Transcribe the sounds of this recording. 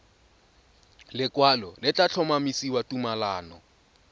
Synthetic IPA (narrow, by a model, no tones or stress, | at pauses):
lɪkwalɔlɪt͡ɬʼat͡ɬʰɔmamisiwatumalaːnɔ